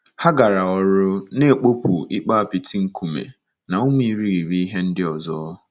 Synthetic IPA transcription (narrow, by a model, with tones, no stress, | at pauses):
ha˦ɡa˨ɾa˨ɔ˨ɾʊ˦ne˦˨k͡po˦pu˨i˦k͡pa˦a˦˨pi˨ti˦ŋ̩˦ku˨mḛ˨ | na˨o˦m˦i˨ɾi˦ɾi˨ɾi˦i˦ɦe˦n̩˦dɪ˦ɔ˨zɔ˦